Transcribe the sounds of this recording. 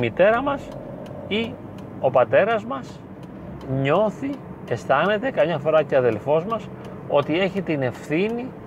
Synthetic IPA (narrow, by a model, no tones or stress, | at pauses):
mit̪e̞ɾɐmɐs | i | o̞pɐt̪e̞ɾɐzmɐs | ɲo̞θi | e̞st̪ɐne̞t̪e̞kɐmɲɐfo̞ɾɐceɐðe̞lfo̞zmɐs | o̞t̪ie̞çit̪ine̞fθini